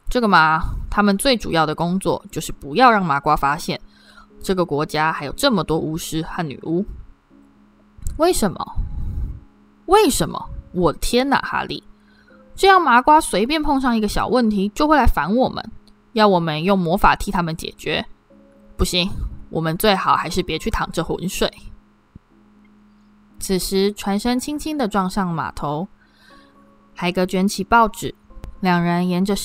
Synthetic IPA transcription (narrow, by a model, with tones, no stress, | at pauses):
ʈ͡ʂɤ˥˩ɡə˩ma˨t̪ʰa˥mə˨nt͡swe˥˩ɪʈ͡ʂṵ˨jɑ˥˩ʊd̪ə˩kʊ˥ŋt͡swɔ̰˥˨˩t͡ɕjo˥˧ʊʂɻ̩˥˩pu˧˥jɑ˥˧ʊɻɑ˥˩ŋma˧˥kwa˥fa˥ɕjɛ̰˥˩n | ʈ͡ʂɤ˥˩ɡə˩kwɔ˧˥t͡ɕja˥xa˧˥ɪjo˨˩ʊʈ͡ʂɤ˥˩mə˩t̪wɔ˥ʔu˥ʂɻ̩˥xa˥˩nny̰˨˩ʔu˥ | we˥˩ɪʂə˧˦nmə̰˧ | we˥˩ɪʂə˧˦nmə̰˧wɔ˨˩t̪ʰjɛ˥nna̰˨˩xa̰˥lḭ˥˩ | ʈ͡ʂɤ˥˧jɑ˥˩ŋma˧˥kwa˥swe˧ɪp̬jɛ˥˧npʰɔ˥˧ŋʂ̬ɑ˥˩ŋi˧ɡə˧ɕjɑ̰˨˩ʊwə˥˨nt̪ʰi˧˥t͡ɕjo˥˧xwe˥˩la˧˥ɪfa˧˥nwɔ˨˩mə̰˨˦n | jɑ˥˩ʊwɔ˨˩mə˦njʊ˥˩ŋmwɔ˧˥fa̰˨˩t̪ʰi˧˥t̪ʰa˥mə˨nt͡ɕjɛ̰˨˩t͡ɕɥɛ̰˧˥ | pu˥˩ɕi˥ŋwɔ̰˨˩mə˦nt͡swe˥˩ɪxɑ˨˩ʊxa˧˥ɪʂɻ̩˥˩pjɛ˧˥t͡ɕʰy˥˩t̪ʰɑ˨˩ŋʈ͡ʂə˧˩xwṵ˧˥nʂwe˥˩ɪ | t͡s̩ʰ˨˩ʂɻ̩˧˥ʈ͡ʂʰwa˧˥nʂə˥ŋt͡ɕʰi˥ŋt͡ɕʰi˥ŋd̪ə˨ʈ͡ʂwɑ˥˧ŋʂɑ˥˩ŋma̰˨˩t̪ʰo˧˥ʊ | xa˧˥ɪɡə˧t͡ɕɥɛ˧˥nt͡ɕʰi˨˩pɑ˥˩ʊʈ͡ʂɻ̩˨˩˦ljɑ˨˩ŋɻə˧˦˥njɛ˧˥nʈ͡ʂə˧